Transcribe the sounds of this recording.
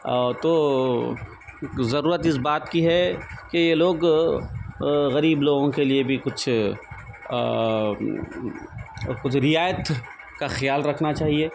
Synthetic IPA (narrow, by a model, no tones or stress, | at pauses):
ɔt̪oː | zɐɾuːɾət̪ɪsbaːt̪kiɦɛkejeloːɡ | ɣɐɾiːbloːɡõkeliebʱikʊt͡ʃʰ | kʊt͡ʃʰɾɪjaːjət̪ | kaxjaːlɾɐkʰnat͡ʃaːɦieː